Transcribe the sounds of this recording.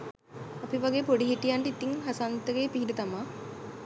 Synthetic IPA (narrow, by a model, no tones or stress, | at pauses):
ɐpiʋaɡeːpoɖiɦiʈijaɳɖeit̪iŋɦasant̪əɡeːpiɦiɖət̪amaː